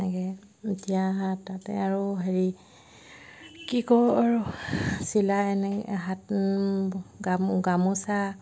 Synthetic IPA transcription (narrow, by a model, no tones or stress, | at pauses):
nɛkɛ | etiaɦãtːatɛ̰aɹuɦeɹi | kikɔaɹusilaɛnɛɦat | ɡamɡamusa